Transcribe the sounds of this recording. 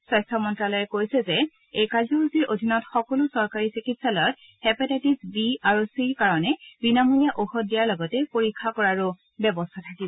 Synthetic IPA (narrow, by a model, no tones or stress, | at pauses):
sɔjstʰɔmɔntɹalɔjɛkojsɛzɛ | ejkazɔuziɹʔodʱinɔtxɔkɔlʊsɔɹkaɹisikitsalɔjɔt | hɛpatatisbiaɹusiɹkaɹɔnɛbinamulijaʔoxɔdijaɹlɔɡɔtɛpoɹikʰːakɔɹaɹʊ | bjɔbɔstʰatʰakibɔ